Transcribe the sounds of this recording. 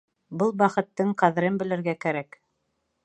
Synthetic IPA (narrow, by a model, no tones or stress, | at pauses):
bɤlˠbɑχɤ̆t̪ːɤɴqɑðɘ̆ɾɤmbɘ̆lɘ̆ɾɡækæɾæk